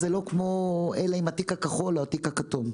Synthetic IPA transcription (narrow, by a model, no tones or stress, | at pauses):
zelo̞kmo̞elaimat̪ikakaχoloatikakatom